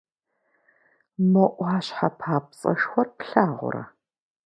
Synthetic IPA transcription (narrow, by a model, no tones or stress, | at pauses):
mɐʔʷaːɕħapʰaːpt͡sʼɐ̰ʂxʷɔrpɬaːʁʷʊ̰ɾɐ̰